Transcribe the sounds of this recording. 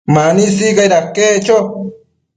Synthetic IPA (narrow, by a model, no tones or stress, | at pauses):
manisiɢajɾakːet͡ʃo